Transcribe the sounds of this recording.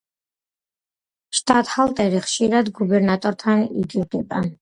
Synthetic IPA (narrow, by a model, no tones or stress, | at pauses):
ʃt̪ʼat̪ʼhalˠt̪ʼɛɾiχʃiɾad̪ɡubɛɾnat̪ʼɔɾt̪ʰanḭɡiɡɛba